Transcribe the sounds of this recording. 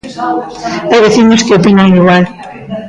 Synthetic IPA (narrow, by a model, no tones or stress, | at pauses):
ajβeθiɲoskeopinaŋiɣwal